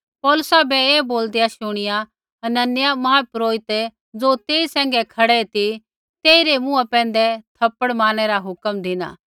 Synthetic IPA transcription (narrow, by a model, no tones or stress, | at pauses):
pɔːlʊsabɛeːboːld̪ejaʃʊɽ̃ɪja | ɐnɐnːɪjamɐɦapɾoːɪt̪e | d͡zoːt̪eːisɛ̃ːŋɡɛkʰɐɽɛt̪i | t̪eːiɾemʊ̃apɛ̃ːn̆d̪ɛt̪ʰɐpːəɽmãːñɛɾaɦʊkəmd̪ʱɪna̰ː